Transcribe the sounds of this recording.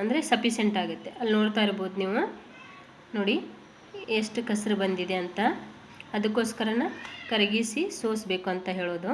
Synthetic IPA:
ɐnd̪ɐɾesɐpiseɳʈaːɡut̪ːe̞ʔɐlːnoːɽt̪aːjiɾboːd̪uniːʋu | noːɽi | eʂʈukɐsɾɐbɐnd̪id̪e̞ɐnt̪ɐː | d̪ɐkːo̞ːskɐɾɐnɐkɐɾɐɡisisoːsbe̞ːkuɐnt̪ɐɦe̞ːɭoːd̪u

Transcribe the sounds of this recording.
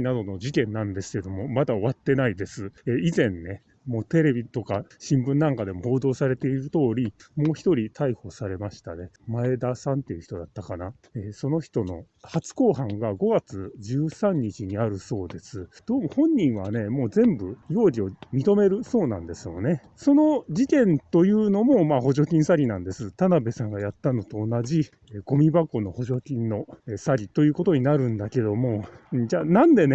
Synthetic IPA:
inad̪o̞no̞ʑikẽ̞nːãnd̪e̞sɨ̥ke̞d̪o̞mo̞mad̪aoβat̪ːe̞naid̪e̞sɨeːizẽ̞nːe̞ | mo̞ːt̪e̞ɾe̞bʲit̪o̞kaɕĩmbɯ̟̃nːãŋkad̪e̞mo̞ho̞ːd̪o̞ːsaɾe̞t̪e̞iɾɯ̟t̪o̞ːɾʲimo̞ːçi̥t̪o̞ɾʲit̪ʰaiho̞saɾe̞maɕi̥t̪anemae̞d̪asãnt̪ːe̞jɯ̟çi̥t̪o̞d̪at̪ːakana | eːso̞no̞çi̥t̪o̞no̞̰ | hat͡sɨ̥ko̞ːɦãŋɡaɡo̞ɡat͡sɨʑɨːsãɲ̟ːit͡ɕiɲ̟iaɾɯ̟so̞ːd̪e̞sɨd̪̥o̞ːmohõ̞ɲ̟ːĩɰ̃βane̞mo̞ːzẽ̞mbɯ̟jo̞ːɾʲio̞mʲit̪o̞me̞ɾɯ̟so̞ːnã̰nd̪e̞sɨjo̞̰ne̞ | so̞no̞d͡ʑit̪ẽ̞nt̪o̞jɯ̟ːno̞mo̞maho̞ʑo̞kʲĩɰ̃saɾʲinãnd̪e̞sɨt̪anabe̞sãŋɡajat̪ːano̞t̪oːnaʑi | eɡ̥o̞mʲibako̞no̞ho̞ʑo̞kʲĩnːo̞esaɾʲit̪o̞jɯ̟ːko̞t̪o̞ɲ̟inaɾɯ̟̃nd̪ake̞d̪o̞mõ̞d͡ʑaːnãnd̪e̞ne

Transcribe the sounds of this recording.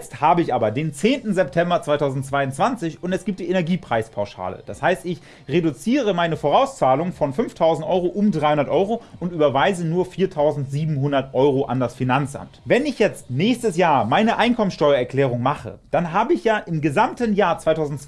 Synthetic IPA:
t͡sthaːbəɪçʔaːbɐdeːnt͡seːntn̩zɛp̚tʰɛmbɐt͡sv̥aɪtʰaʊzn̩tt͡sv̥aɪʊnt͡sv̥ant͡sɪçʊntɛsɡ̥iːp̚td̥iːʔenɛɐɡiːpʁ̥aɪspʰaʊʃa̰ːlə̰d̥ashaɪstɪç | ʁedut͡siːʁ̞əmaɪnəfoːʁaʊst͡saːlʊŋfɔnfʏnftʰaʊzn̩tʔɔʏʁoʔʊmdʁaɪhʊndɐtʔɔʏʁoʔʊntʔyːbɐvaɪzənuːɐfiːɐtʰaʊzn̩tz̥iːbm̩ɦʊndɐtʔɔʏʁoʔa̰ndasfinant͡sʔa̰mtvɛnɪçjɛt͡stnɛːçstəsjaːɐmaɪnəʔaɪnkʰɔmənsʃtɔʏɐɛɐklɛːʁ̞ʊŋmaχə̰d̥anɦaːbəɪçjaːʔɪmɡəzamtənjaːɐt͡sv̥aɪtʰaʊzn̩

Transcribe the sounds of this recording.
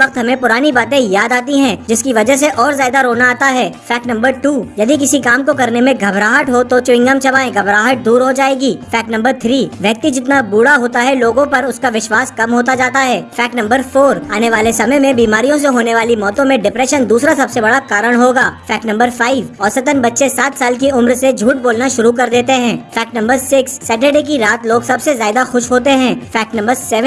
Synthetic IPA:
ʋɐqt̪ɦɐmẽpʊɾaːnibaːt̪ẽjaːd̪aːt̪iɦɛ̃d͡ʒɪskiʋɐd͡ʒəɦs̬eʔɔːɾzjaːd̪aɾoːnaaːt̪aɦɛːfɛːk̚ʈnɐ̃mbəɾʈuːjɐd̪ik̬ɪsikaːmkokɐɾnemẽɡʱɐbɾaːɦəʈɦot̪ot͡ʃʊɪ̃ŋɡəmt͡ʃɐbaːẽɡʱɐbɾaːɦəʈ̚d̪uːɾɦod͡ʒaːeːɡiːfɛːknɐ̃mbəɾt̪ʰɾiːʋjɐk̚t̪id͡ʒɪt̪nabuːɽaɦoːt̪aɦɛloːɡõpɐɾʊskaʋɪʃʋaːskɐmɦoːt̪ad͡ʒaːt̪aɦɛːfɛːk̚ʈnɐ̃mbəɾfoːɾaːneʋaːlesɐməjmẽbiːmaːɾijõs̬eɦoːneʋaːlimɔːt̪õmẽɖɪpɾɛːʃənd̪uːsɾasɐbsebɐɽakaːɾəɽ̃ɦoːɡaːfɛːk̚ʈnɐ̃mbəɾfaːɪʋɔːɾsɐt̪ənbɐtːʃesaːt̪saːlk̬iʊmɾsed͡ʒʱuːʈ̚boːlnaʃʊɾuk̬ɐɾd̪eːt̪eɦɛ̃ːfɛːk̚ʈnɐ̃mbəɾsɪksːɛːʈ̬eɖeːk̬iɾaːt̪loːɡsɐbsezaːɪd̪axʊʃɦoːt̪eɦɛ̃ːfɛːk̚ʈnɐ̃mbəɾsɛʋə̃

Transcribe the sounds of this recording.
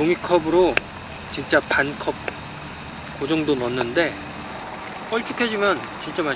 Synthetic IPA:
toŋikʰʌbɯɾo | t͡ɕint͡ɕ͈apankʰʌp̚ | k͈od͡ʑʌŋdonʌnːɯnde̞ | k͈ʌɭt͡ɕ͈ukʰe̞d͡ʑimjʌn | t͡ɕint͡ɕ͈ama

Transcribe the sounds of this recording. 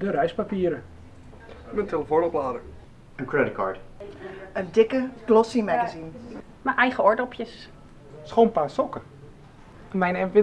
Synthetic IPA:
dəɾɛjspapiəɾə | məntʰeləfonɔplaːdəɹ | ənkɹɛdɪt̚kʰaɹt | əndɪkəɡlɔsimaɡazin | maʔɛjχəɔɹdɔpʰjəs | sχoːnpaːsɔkə | ənmɛjnɛnfɪ

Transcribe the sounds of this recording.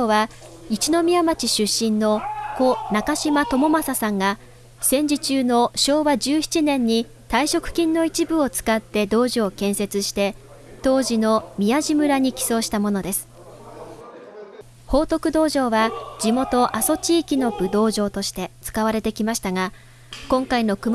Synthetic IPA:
oβa | it͡ɕino̞mʲiamat͡ɕiɕɨɕːĩnːo̞ko̞nakaɕimat̪o̞mo̞masasãŋɡa | sẽ̞ɲ̟d͡ʑit͡ɕɨːno̞ɕo̞ːβad͡ʑɨːçi̥t͡ɕinẽ̞ɲ̟ːi | t̪aiɕo̞kɯ̟̥kʲĩnːo̞it͡ɕibɯ̟o̞t͡sɨ̥kat̪ːe̞d̪o̞ːʑio̞kẽ̞ɰ̃se̞t͡sɨɕi̥t̪e̞ | t̪o̞ːʑino̞mʲiaʑimɯ̟ɾaɲ̟ikʲi̥so̞ːɕi̥t̪amo̞no̞d̪e̞sɨ̥ | ho̞ːt̪o̞kɯ̟d̪o̞ːʑo̞ːβad͡ʑimo̞t̪o̞ʔaso̞t͡ɕiːkʲino̞b̥ɯ̟d̪o̞ːʑo̞ːt̪o̞ɕi̥t̪e̞t͡sɨ̥kaβaɾe̞t̪e̞kʲimaɕi̥t̪aɡa | kõ̞ŋkaino̞kɯm

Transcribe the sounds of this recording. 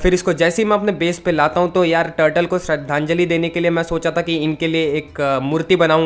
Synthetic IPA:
fɪɾɪskod͡ʒɛːseɦimɛ̃ɐpnebeːspelaːt̪aɦũt̪ojaːɾʈəːɾʈəlkoʃɾɐd̪ʱãːɲd͡ʒəlid̪eːnekeliemɛ̃soːt͡ʃat̪ʰakiɪnkelieeːkmʊɾt̪ibɐnaːũ

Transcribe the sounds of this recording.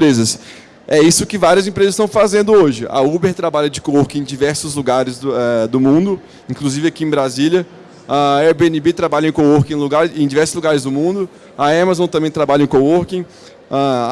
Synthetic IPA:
pɾezɐs | ɛisʊkɪvaɾiɐzẽpɾezɐst̪ɐ̃w̃fazẽnd̪ʊoʒɪʔɐ̰ubeɾt̪ɾabaʎɐd͡ʒɪkowoɾkĩẽj̃d͡ʒivɛɾsʊzluɡaɾɪzɛd̪ʊmũnd̪ʊ | ĩŋkluzivɪɐkiẽbɾaziljɐ | aɛɾbeẽnibet̪ɾabaʎɐẽkowoɾkẽluɡaɾẽd͡ʒivɛɾsʊzluɡaɾɪzd̪ʊmũnd̪ʊ | ɐamazõt̪ɐ̃mbẽj̃t̪ɾabaʎɐẽkooɾkĩ | a

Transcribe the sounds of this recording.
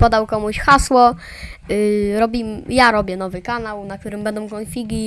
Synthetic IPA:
pɔd̪awkɔmuɕxaswɔ | ɾɔbʲimjaɾɔbʲjɛnɔvɘkanawnak̚t̪uɾɘmbɛnd̪ɔ̃w̃kɔnfʲiɡʲi

